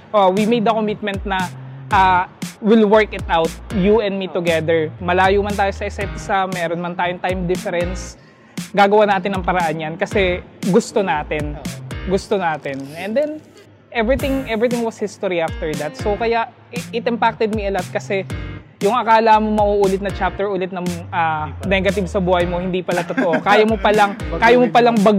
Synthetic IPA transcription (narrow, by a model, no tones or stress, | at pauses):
ʔowimejd̪ːɐkomɪt̪̚mɛ̃nt̪̚nɐʔawɪlwɛɹkɪt̪ʔawt̪̚juʔɛ̃nd̪mit̪ʊɡɛd̪ɛɹmɐlaːjʊmɐnt̪aːjosɐʔɪsaʔɪt̪ɪsamɛːɾonmɐnt̪aːjoŋt̪ajmd̪ɪfɛɾɛns | ɡaːɡɐwanaːt̪ɪnːɐŋpɐɾɐʔanjankɐsɛɡʊst̪o̞naːt̪ɪnɡʊst̪onaːt̪ɪnʔɛnd̪ɛn | ʔɛvɹɪt̪ɪ̃ŋʔɛvɹɪt̪ɪ̃ŋwɐshɪst̪oɾiaft̪ɛɹd̪ɐt̪̚sowkɐjaʔ | ɪt̪ɪmpak̚t̪ɛd̪̚miɐlat̪̚kɐsɛjʊŋʔɐkaːlɐmomɐʔuʔuːlɪt̪nɐt͡ʃap̚t̪ɛɹʔuːlɪt̪̚nɐŋʔanɛɡɐt̪ɪbsɐbuːhɐjmo̞hɪnd̪ipɐlɐt̪ot̪oʔokaːjɐmopɐlɐŋkaːjɐmopɐlɐŋbɐɡ